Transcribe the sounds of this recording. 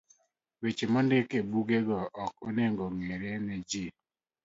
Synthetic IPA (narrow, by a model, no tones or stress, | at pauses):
wet͡ʃemɔndekebuɡeɡɔɔkoneŋɡɔŋeɾɛnɛd͡ʒi